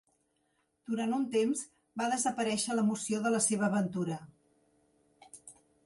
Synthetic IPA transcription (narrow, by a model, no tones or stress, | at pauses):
d̪̥uɾant̪unt̪emz | baðəzəpəɾɛʃələmusioðələseβəːβənt̪uɾə